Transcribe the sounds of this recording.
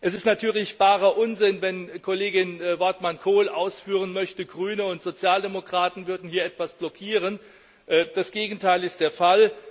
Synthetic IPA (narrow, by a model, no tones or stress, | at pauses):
ʔɛsɪstnatʰyːɐlɪçv̥aːʁɐʔʊnzɪnvɛnkʰoleːɡɪnvɔɐtmankʰoːlʔaʊsfyːʁ̞ənmœçtəɡʁyːnəʊntz̥ot͡sjaːldemokʁ̥aːtn̩vʏɐdn̩hiːɐʔɛtv̥asb̥lɔkʰiːʁ̞ən | ʔːd̥asɡ̥eːɡŋ̩tʰaɪlɪst̚d̥eːɐfal